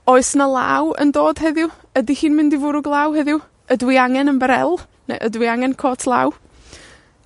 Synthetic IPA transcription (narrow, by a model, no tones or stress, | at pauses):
oːɨsnalˠa̰wə̰ndoːd̥ɦɛðɪw | ədihiːnmɪndivʊɾʊɡlˠaːwɦɛðɪw | ədwɪaŋɛnəmbəɾɛ̰lˠ | nḛʔədwɪaŋɛnkʰoːtʰlˠa̰w